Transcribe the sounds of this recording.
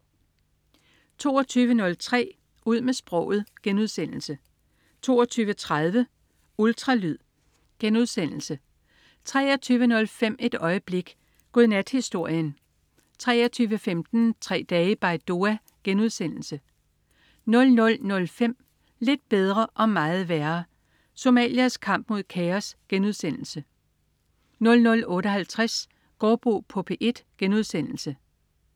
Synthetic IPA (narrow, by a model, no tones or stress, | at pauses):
t͡sʰo̝ːɒt͡sʰyːʋənɔ̽lt͡sʰʁɛ̰ː | uð̞̰ˠmesb̥ʁɔ̽ʊ̰ð̩ˠɡ̥enuð̞̰ˠsen̰l̩sə | t͡sʰo̝̰ːɒ̽t͡sʰyːʋət͡sʰʁað̞ˠʋə | ult͡sʰʁɑ̈lyð̰ˠ | ɡ̥enuð̞ˠsen̰l̩sə | t͡sʰʁɛ̰ːɒt͡sʰyːʋənɔ̽lfem̰e̝d̥ɒ̽ɪəb̥le̝ɡ̥ | ɡ̥oðˠnæd̥hisd̥o̝ɐ̰jən | t͡sʰʁɛːɐt͡sʰyːʋəfemd̥n̩t͡sʰʁɛ̰ːd̥ɛːəb̥ɑ̈ɪd̥o̝æ | ɡ̥enuð̞ˠsen̰l̩sə | nɔ̽lnɔ̽lnɔ̽lfem̰ | le̝d̥̚b̥eð̞ˠʁɐʔɒ̽mɑ̈ːð̞̩ˠʋæɐ | so̝mɛ̰ːliæskʰɑ̈m̰b̥̚mo̝ð̞̰ˠkʰɛɒsɡ̥enuð̞ˠsen̰l̩sə | nɔ̽lnɔ̽lɔ̽ːɾəɒ̽hælt͡sʰʁas | ɡ̥ɒːb̥ʁo̝̰ːpʰɔ̽pʰeʔe̝d̥ɡ̥enuð̞ˠsen̰l̩sə